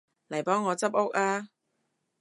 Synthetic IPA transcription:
lɐ˨˩jpɔː˨˥ŋːɔː˨˧t͡sɐ˥p̚ʊ˥k̚aː˥

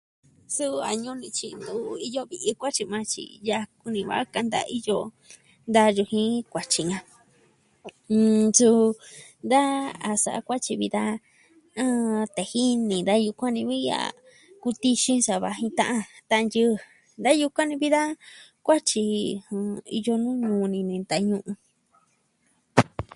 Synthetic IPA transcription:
su˦a˨ɲũ˧nĩ˧t͡ʃḭ˧nd̪u˧˦˧i˧jo˧βi˧ʔi˧kʷa˦t͡ʃi˧mã˧t͡ʃḭ˧˨ja˧ku˧nĩ˧βa̰˧˨˦ka˧nd̪a̰˧i˦jo˦ | nd̪a˧ʒu˧hĩ˦kʷa˨t͡ʃi˨ɲã˧ | su˧ | nd̪a˦a˨sa̰˨a̰˧kʷa˦t͡ʃi˧βi˧ða˦ | ã˦t̪e˨hi˦nĩ˨d̪a˦ju˧kʷã˦nĩ˧βi˦a̰˧˨ | ku˧t̪i˧ʃĩ˦sa˨βa˧ɦĩ˧t̪ã˦˧ʔã˧t̪ã˧ʔjɨ˦˧ | nd̪a˦ju˧kʷã˦nĩ˧βi˦ða˦kʷa˦t͡ʃi˧ũ˧ḭ˧jo˧nũː˦ɲũ˧nĩ˧nĩ˧nd̪a˧ɲũ˧ʔũ˧

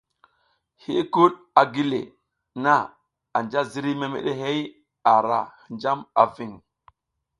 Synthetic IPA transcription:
hi˦ku˦ɗ | a˨ɡi˦lḛ˨ | na˦˨ | a˨nd͡ʒa˦zi˦ɾi˦me˨mḛ˨ɗe˦ɦe˦j | a˨ɾa̰˨hnd͡ʒa˦ma̰˨vi˨ŋ

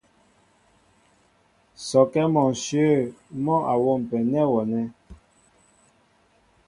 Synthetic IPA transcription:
sɔ˨kɛ˦mɔ̃˨sjə˦˨mɔ̃˦ʔa˨wo˦˨m˨pɛ˨nɛ˦wɔ˨nɛ˦

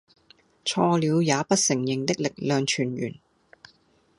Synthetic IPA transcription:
t͡sʰɔː˧liː˨˧wjaː˨˧pɐ˥t̚sɪ˨˩ŋjɪ˨˩ŋt̪ɪ˥k̚lɪ˨k̚lœː˨ŋt͡ʃʰyː˨˩njyː˨˩n

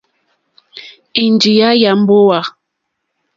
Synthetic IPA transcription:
i˨nd͡ʒi˨ja˦ja˨m̩˦bo˦wa˨

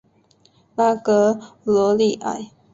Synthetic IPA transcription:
la˥˩kɤ˧˦lɔ˧˥˦li˥˩ʔa̰˨˩ɪ

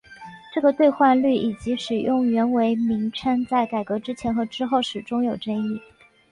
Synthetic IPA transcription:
ʈ͡ʂɤ˥˩ɡə˩t̪we˥˧ɪxwa˥˧nly˥˩i˨˩t͡ɕi˧˥ʂɻ̩˨˩jʊ˥˩ŋɥɛ˧˥nwe˧˥ɪmi˧˥ŋʈ͡ʂʰə˥nt͡sa˥˩ɪka˨˩ɪkɤ˧˥ʈ͡ʂɻ̩˥t͡ɕʰjɛ˧˥nxɤ˧˥ʈ͡ʂɻ̩˥xo˥˩ʊʂɻ̩˨˩ʈ͡ʂʊ˥ŋjo˨˩ʊʈ͡ʂə˥ni˥˩

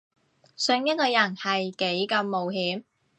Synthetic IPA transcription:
sɵ˧ŋjɐ˥t̪̚kɔː˧jɐ˨˩nhɐ˨jke˨˥jkɐ˧mːo˨wɦiː˨˥m

